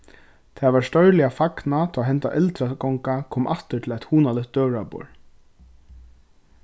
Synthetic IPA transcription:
t̪ʰavaɹst̪œɥlɪafaknat̪ʰaɦɛnt̪aʔɛlt̪ɾakɔŋkakʰɔːmʔaft̪ɪt̪ʰɪlɛjt̪huːnalɪht̪̚d̪œːvɹapɔ̰ɹ

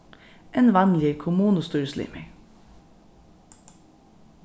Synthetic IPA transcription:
ʔenʋɑmlɪəkʰʊmuːnəst̪yɹəslɪ̰ːmḛ

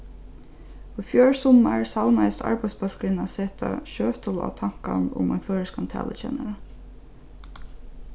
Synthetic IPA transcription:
ɔfjøːɹsʊmaɹsaʊnajsa̰ɹpaɪd̪spɑlkɾɪnaseːt̪aʃøːt̪ʰɔla̰t̪ʰaŋ̥kanʊ̰mɛ̰nføːɹəskant̪ʰæ̰ːlʔət͡ʃɛ̰ːnaɾə

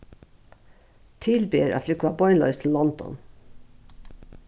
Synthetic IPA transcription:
t̪ʰɪlbeːɾɑ̰ːflʏkʊɑbɔʏnlœ̰ʏst̪ʰl̩ːɔnd̪ɔ̰n

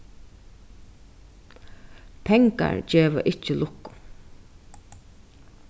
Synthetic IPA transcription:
pʰɛŋka̰ɹd͡ʒeːʋa̰ʔɪt͡ʃəlʔʊkːʊ̥

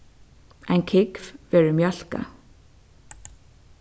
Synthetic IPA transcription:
ajnkʰɪkvvɛːɹʏmjœl̥ka̰

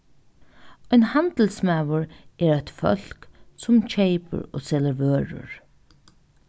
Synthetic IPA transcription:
ɔjnhant̪l̩smaːʋʊɹɛːɾat̪fœ̰l̥ksʊmt͡ʃʰeɪpə̰ɹo̰ːsɛləɾvøːɾʊ̰ɹ

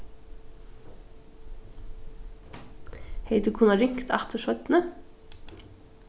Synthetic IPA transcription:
heɪd̪ʉːkʰuːnɑɾʏŋkt̪ʰɑt̪ʰəʃœt̪nə

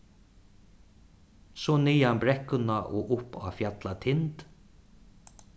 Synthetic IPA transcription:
sɔnijanbɾɛhkʊnaʔɔʔʊpa̰ːfjat̪lat̪ʰɪnt̪

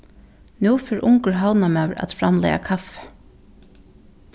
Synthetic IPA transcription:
nuːfɛɹʔʊŋkəɹɦawnamɛwɾa̰t̪fɾamlɛ̰ja̰kʰaf

